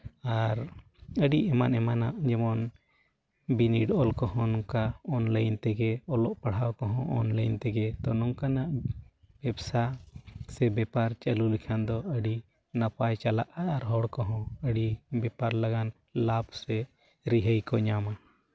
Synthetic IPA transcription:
aɾ | əɖiɛmanɛmanaʔd͡ʒɛmɔn | biniɖɔlkɔhɔ̃nɔŋkaɔnləjnt̪ɛɡɛɔlɔʔpaɽhawkɔɦɔ̃ʔɔ̰nləjnt̪ɛɡɛt̪ɔnɔŋkanaʔ | b̥ɛbsasɛbɛpaɾt͡ʃəlulikʰand̪ɔəɖi | napajt͡ʃalaʔaːɾɦɔɽkɔɦɔ̃əɖibɛpaɾlaɡan | labsɛ | ɾiɦəjkɔɲama

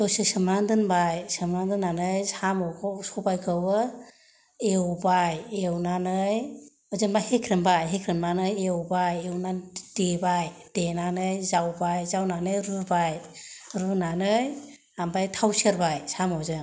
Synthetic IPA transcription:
dɔsɯsɯmɾandɯnbajsɯmɾandɯnːanɯjsamɔwkʰɔsɔbajkʰɯwɯ | ewbajewnanɯj | ɔzɯnbahekʰɾɯnbajɦekʰɾɯnmanɯjewbajewnad̥ebajd̥enanɯjzawbajzawnanɯjɾɯbajɾunanɯj | hambajtʰawseɾbajsamɔwzɯ

